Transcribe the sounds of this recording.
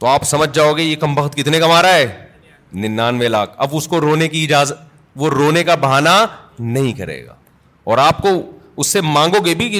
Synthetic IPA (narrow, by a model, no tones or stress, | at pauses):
t̪oaːpsɐməd͡ʒʱd͡ʒaːoɡejekɐmbɐxt̪̚kɪt̪nekɐmaːɾaɦɛː | nɪnːaːnʋelaːkɐ̰bʊskoɾoːnekiɪd͡ʒaːzət̪ | ʋoɾoːnekabɐɦaːnanɐɦĩkɐɾḛːɡa̰ː | ɔːɾaːp̚ko | ʊsːemãːŋɡoːɡebʱi